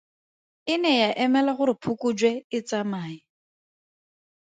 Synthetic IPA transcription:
ɪnɛjaʔɛmɛlaχʊɾɪpʰʊkʼud͡ʒwɛɪt͡samaːi

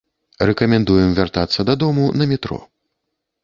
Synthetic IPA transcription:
rɛkɐmʲɛnd̪ujɛmvʲart̪at̪sːɐd̪ɐd̪ɔmunɐmʲɛt̪ɾɔ̰

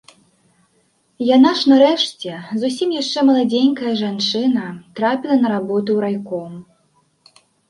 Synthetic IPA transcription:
janaʂnɐɾɛʂt͡sʲɛzusʲimjaʂt͡ʂɛmɐlˠad͡zʲenʲkɐjɐʐant͡ʂɨnɐt̪ɾapʲilˠɐnɐɾabɔt̪ɨwɾajkɔm

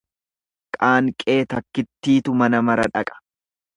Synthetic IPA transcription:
kʼaːŋkʼe̞ːt̪ɐkːɪt̪ːiːt̪ʊmɐnɐmɐɾɐᶑɐkʼɐ̥

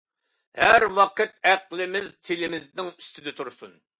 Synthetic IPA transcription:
hæɾwɑqɨt̪̚æqlˠɪmɪzt̪ʰɪlɪmɪznɪŋy̥st̪ʰɪd̪ɛt̪ʰuɾsṵn

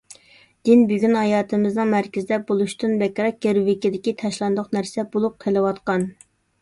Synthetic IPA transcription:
d̪̥ɪnbyɡʲynhɑjɑːt̪ɨmɪznɨŋmæɾkʲɪzɪd̪ɛbolˠuʃt̪ɨnbɛkʲɾɑk̚ɡʲeɾuwɪkʲɪd̪ɪkʲit̪ʰɛʃlˠɑnd̪ʊqnæɾsɛbolˠup̚qʰelˠɨwɑt̪qɑn

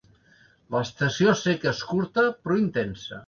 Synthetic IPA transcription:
ləːst̪əsiosekeskuɾt̪əpɾɔint̪ensə̰

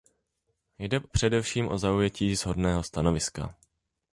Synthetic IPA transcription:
jdɛpr̝̥ɛdɛfʃiːmʔo̞zaujɛciːzɦo̞dnɛːɦo̞st̪ano̞vɪska̰

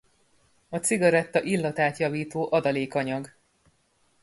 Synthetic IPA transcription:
ɒsiɡɒɾɛt̪ːɒʔilːɒt̪aːt̪jɒviːt̪oːʔɒd̪ɒleːkɒɲɒɡ

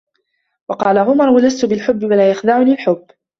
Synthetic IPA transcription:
wɑqɑːlaɣʊmɑɾˤwalast̪ʊbɪlħʊbːɪwalaːjaxd̪aːʕʊniːlħʊbː

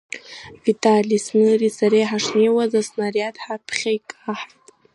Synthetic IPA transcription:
vitʼalʲisnɨrisaɾejħaʂnejwazasnariatʰʼħapʰχʲajkʼaħtʼ

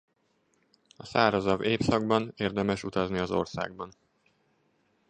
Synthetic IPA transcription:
ɒsaːɾɒzɒveːpsɒɡbɒneːrd̪ɛmɛʃut̪ɒzniɒzo̞̰rsa̰ːɡ̚bɒn

